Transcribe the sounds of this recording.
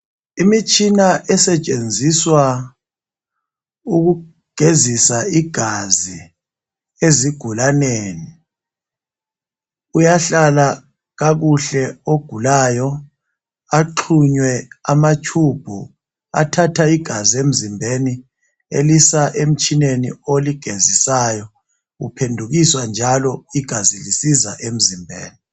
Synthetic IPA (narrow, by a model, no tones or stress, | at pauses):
imit͡ʃʼinaʔɛsɛt͡ʃʼend͡zʱiswa | uk̬u | ɡ̥ʱezisaiɡ̥ʱazi | eziɡ̥ʱulaneːni | ujaɬala | ɣak̬uɬɛoɡ̥ʱulaːjɔ | aǃʰuɲwɛamat͡ʃʰub̥ʱu | a̰tʰatʰaiɡ̥ʱaziem̩zimbʱeni | ḛlisaʔem̩t͡ʃʰʼinenḭoliɡ̥ʱezisaːjɔ | upʰendʱuk̬iswand͡ʒʱalɔiɡ̥ʱazilisizaʔem̩zimbʱḛːni